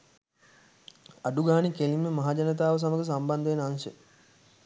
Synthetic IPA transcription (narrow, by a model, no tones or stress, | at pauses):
aɖuɡaːnikelimːəmaɦaːd͡ʒanət̪̬aːʋəs̬aməɡəs̬amband̪əʋenansə